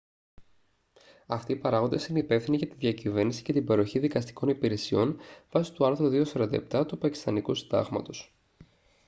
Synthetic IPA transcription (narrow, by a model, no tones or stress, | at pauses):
ɐft̪iːpɐɾɐɣond̪esineipe̞fθiniʝɐt̪iðʝɐcive̞ɾnisi̥cet̪ibeɾo̞çiðikɐst̪i̥ko̞nipiɾe̞sio̞nv̥ɐsi̥t̪uɐɾθɾuðio̞sɐɾɐnd̪ɐ̰ep̚t̪ɐt̪upɐci̥st̪ɐnikusid̪ɐ̰ɣmɐ̰t̪o̞s